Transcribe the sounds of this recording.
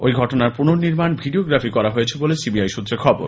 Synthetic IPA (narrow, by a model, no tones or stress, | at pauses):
ojɡʱɔʈonaɾpunoɾniɾmanbʱiɖioɡɾafʰikɔɾaɦojet͡ɕʰebolesibiajʃut̪ːɾeɾkʰɔbo̰ɾ